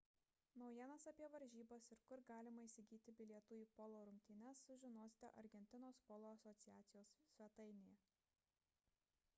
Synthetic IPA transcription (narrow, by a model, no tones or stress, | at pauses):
nɒʊjiɛnɐsɐpʲiɛʋɐɾʲʒʲiːbɐsɪɾkʊɾɡɑːlʲɪmɐiːsʲɪɡʲiːt̪ʲɪbʲɪlʲiɛt̪uːjiːpɔlˠoːɾʊmʲt̪ʲiːnʲɛsːʊʒʲɪnoːsʲɪ̥t̪ʲɛ̰ʔɐ̰ɾʲɡʲɛnʲt̪ʲɪnoːspɔlˠoːɐsɔt̪sʲɪjæːt̪sʲɪjoːssʲʋʲɛt̪ɐɪnʲɪjɛ